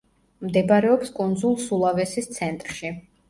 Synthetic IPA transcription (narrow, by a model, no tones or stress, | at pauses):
md̪ɛbɾɛɔpskʼund̪zulˠsulˠavɛsist̪sʰɛnt̪ʼɾʃi